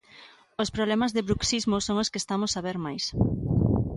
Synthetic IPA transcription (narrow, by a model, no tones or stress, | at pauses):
ospɾoβlɛmazðɪβɾuksizmosoŋoskest̪amosaβ̞eɾmajs